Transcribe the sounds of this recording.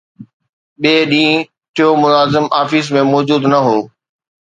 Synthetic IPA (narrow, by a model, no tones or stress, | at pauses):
ɓeːɗĩː | ʈʰijomʊnaːzɪmaːfis̬mẽmɔːd͡ʑuːd̪nɐɦoː